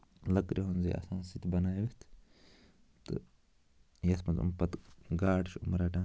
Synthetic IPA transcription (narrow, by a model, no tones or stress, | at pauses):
lɐkɾiɦunzḭʔɐ̰sãːnsit̪ʲʰbɐnaːjʋit̪ʰ | t̪ɨ̰ | jɐsmɐzṵmpɐt̪ɡaːɽʃṵmɾaːʈaː